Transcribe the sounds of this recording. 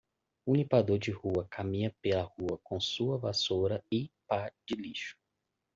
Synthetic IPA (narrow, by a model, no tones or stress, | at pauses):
ũnipad̪oɾd͡ʒɪhuɐkʰamĩɲɐpelɐhuɐkõsuɐvasoɾɐɪpad͡ʒɪliʃʊ̥